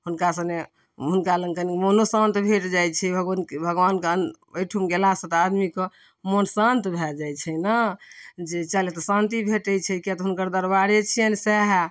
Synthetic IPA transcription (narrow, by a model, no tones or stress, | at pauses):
ɦunkasəne | ɦunkaləɡkənkmonosãnt̪bʱeʈd͡ʒajt͡ʃʰɛbʱəɡnbʱəɡʋankeən | əjʈʰumɡelasə̃t̪ad̪mikɔ | monsant̪bʱɛd͡ʒajt͡ʃʰɛnə | d͡ʒet͡ʃalet̪ɔsãnt̪ibʱeʈət͡ʃʰɛkɛt̪ɔɦunkəɾd̪əɾbaɾet͡ʃʰiənsɛɦ